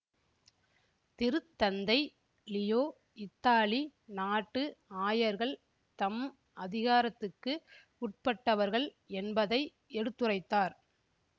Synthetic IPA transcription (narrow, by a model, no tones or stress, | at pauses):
t̪ɪɾɯt̪ːɐnd̪ɐɪ | lɪjoː | ɪt̪ːaːlinaːʈːɯaːjɐɾɣɐɭ | t̪ɐm | ʔɐðɪɣaːɾɐt̪ːɯkːɯ | ʊʈ̚pɐʈːɐʋɐɾɣɐɭ | ɛnbɐðɐɪ | ʔɛɽɯt̪ːɯrɐɪt̪ːaːɾ